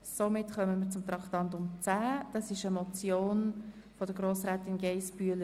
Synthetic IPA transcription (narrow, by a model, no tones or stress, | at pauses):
somɪtχœməmiːt͡sʊmt̪ɾɑktɑnt̪ʊmt͡sæːd̥ɑsɪʃəmɔt͡sjoːn | fɔd̥əɡ̥ɾoːsɾæːtɪnɡeɪspyələ